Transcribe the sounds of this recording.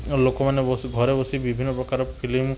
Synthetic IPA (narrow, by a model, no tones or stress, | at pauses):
lokɔmaneɔɡʱɔɾebɔsibibʱinːɔpɾɔkaɾɔpʰilim